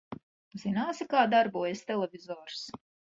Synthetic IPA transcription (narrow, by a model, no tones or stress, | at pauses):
z̥inaːsikaːd̪aɾbuɔjesʲt̪ɛlˠɛvʲizɔːɾs